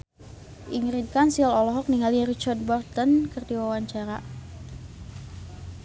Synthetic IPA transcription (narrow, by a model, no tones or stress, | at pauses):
ʔiŋɾit̪̚kansialɔlɔɦɔk̚niŋalirit͡ʃard̚bɔrt̪ənkərdiwawaɲt͡ʃaɾa